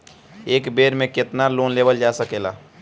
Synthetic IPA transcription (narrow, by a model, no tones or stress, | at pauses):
eːkbeːɾmẽket̪naloːnleːbəld͡ʒaːsəkela̰